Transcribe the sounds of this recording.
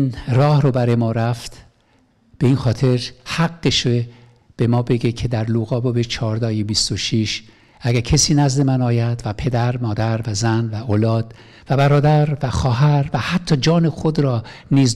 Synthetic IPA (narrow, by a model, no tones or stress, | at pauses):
nrɒːhɾobæɾɒːjemɒːɾæft̪ | b̥e̞iːnxɒːt̪ʰe̞ɾhæɡːeʃe | b̥e̞mɒːbe̞ɡecʰe̞d̪æɾluɣɒːbobet͡ʃʰɒːɾd̪ɒːjibist̪oʃiʃ | ʔæɡæɾcʰesiːnæzd̪e̞mænɒːjæd̪væpʰe̞d̪æɾmɒːd̪æɾvæzænvæʔoːlɒːd̪ | væbæɾɒːd̪æɾvæxɒːɦæɾvæhæt̪ʰːɒːd͡ʒɒːnexod̪ɾɒːniːz